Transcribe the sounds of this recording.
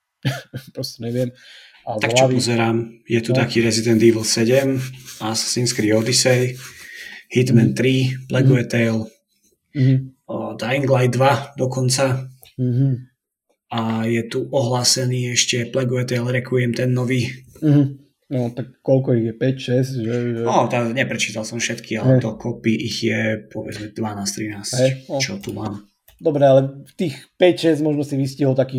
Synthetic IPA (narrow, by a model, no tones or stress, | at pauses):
pɾɔscɛɲɛʋɪɛm | at̪akkt͡ʃpɔzɛɾaːmjɛt̪ut̪akiːɾɛzid̪ɛnd̪iːvl̩ˠsɛɟɛmassinskɾiːɔd̪isɛj | hit̪mɛnt̪ɾiplɛɡuɛt̪ɛjl | d̪aiŋɡlajd̪ʋad̪ɔkɔnt͡sa | ajɛt̪uʔɔɦlaːsɛniːɛʃcɛplɛɡɔʋɛt̪ɛalɾɛkʰujɛmt̪ɛnːɔʋiːɦ̩ | nɔt̪akːɔlkɔiɣjɛpɛcʃɛscʒɛʒɛɔt̪aɲɛpɾɛt͡ʃiːt̪alˠsɔmfʃɛt̪kʰialɛt̪ɔkɔpiʔiɣjɛpʰɔʋɛd͡zmɛd̪ʋanaːst̪ɾinaːsɦɛɔt͡ʃɔt̪umaːm | d̪ɔbɾɛalɛt̪iːxpɛcʃɛzɟmɔʒnɔsiʋisciɦɔlˠt̪akiː